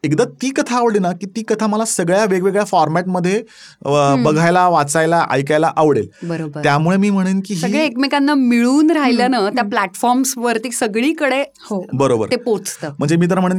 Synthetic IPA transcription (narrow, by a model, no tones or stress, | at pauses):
ekd̪at̪iːkət̪ʰaːʋɽinakiːt̪iːkət̪ʰaməlasəɡɭjaʋeɡʋeɡɭjafɔɾmæʈməd̪ʱːje | bəɡʱajlaʋat͡sajlaʔa̰jkajlaʔaʋɽelbəɾobəjamuɭemiːm̤əɽ̃uːnkiːɦsəɡɭeekmekanːamiɭuːnɾaɦilanat̪japlæʈfɔɾmsʋəɾt̪iːsəɡɭiːkəɽe | hobəɾobə̰ɾt̪epot͡st̪əːm̤əɳd͡zemiːt̪əɾəm̤əɽ̃uːn